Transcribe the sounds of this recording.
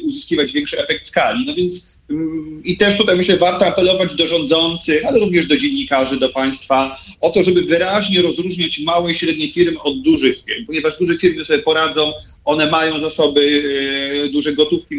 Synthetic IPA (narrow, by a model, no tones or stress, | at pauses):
uzɨskʲivad͡ʑvʲɛŋkʂɨɛfɛkt̪skalʲinɔvʲjɛnt̪s | it̪ɛʂt̪ut̪ajmɘɕlɛvaɾt̪ɔapɛlɔvad͡ʑd̪ɔʐɔ̃nd̪zɔnt̪sɘxalɛɾuvɲɛʐd̪ɔd͡ʑeɲːikaʐɘd̪ɔpaj̃st̪faɔt̪ɔʐɛbɘvɘɾaʑɲɛɾɔzɾuʐɲat͡ɕmawɛiɕɾɛd̪̚ɲejfʲiɾmɘʔɔd̪̚ːuʐɘxfʲiɾmpɔɲɛvaʐd̪uʐɛfʲiɾmɘsɔbʲjɛpɔɾad̪zɔ̃w̃ | ɔnɛmajɔ̃w̃zasɔbɘ | d̪uʐɛɡɔt̪ufkʲi